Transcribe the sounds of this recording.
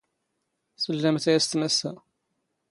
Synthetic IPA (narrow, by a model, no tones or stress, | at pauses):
səlːæmθæjæst̪mæsæ